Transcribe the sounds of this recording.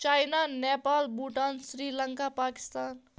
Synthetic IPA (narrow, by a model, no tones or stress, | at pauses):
t͡ʃajnanepalbuʈansɾilʌŋkapaki̥st̪aːn